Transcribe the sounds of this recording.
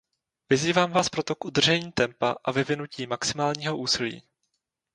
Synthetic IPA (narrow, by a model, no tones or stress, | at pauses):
vɪziːvaːmvaːspɾo̞t̪o̞kʔud̪r̩ʒɛɲiːt̪ɛmpaʔavɪvɪnuciːmaksɪmaːlɲiːɦo̞ʔuːsɪlḭː